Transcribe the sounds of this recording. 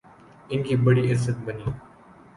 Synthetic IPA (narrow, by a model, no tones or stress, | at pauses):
ɪnkiːbəɽiːɪɾsət̪̚bəniː